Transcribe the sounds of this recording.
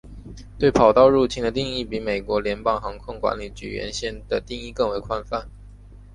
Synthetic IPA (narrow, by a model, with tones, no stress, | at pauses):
t̪we˥˩ɪpʰɑ˨˩ʊt̪ɑ˥˧ʊɻu˥˧t͡ɕʰi˥˩ŋd̪ə˧t̪i˥˧ŋi˥˩pi˧˥me˨˩ɪkwɔ˧˥ljɛ˧˥npɑ˥˩ŋxɑ˧˥ŋkʰʊ˥ŋkwa̰˧˥nli˨˩t͡ɕy̰˨˩ɥɛ̰˧˥nɕjɛ˥˩nd̪ə˨t̪i˥˧ŋi˥˧kɤ˥˧ŋwe˧˥ɪkʰwa˥nfa˥˩n